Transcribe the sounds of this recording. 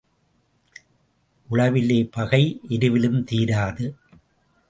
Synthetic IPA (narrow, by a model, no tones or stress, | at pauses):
ʔʊɭɐʋɪleːpɐɣɐɪʔɛɾɯʋɪlɯmt̪iːɾaːðɯ